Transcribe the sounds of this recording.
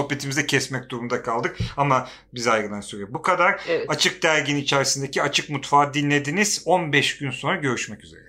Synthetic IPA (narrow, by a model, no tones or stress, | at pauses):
opːe̞t̪ʰimizɛcʰɛsmɛc̚d̪uɾumd̪akʰalˠd̪ɯkama | bizajɡɯd̪ˠansøɾbukʰad̪aɾat͡ʃʰɯk̚d̪æɾɟinit͡ʃʰɛɾsind̪e̞cʰiat͡ʃʰɯkmut̪faːd̪inlʲe̞d̪iniz̥o̞nbɛʃɟ̥ynso̞nɾaɟø̞ɾyʃmɛcyze̞̰ɾɛ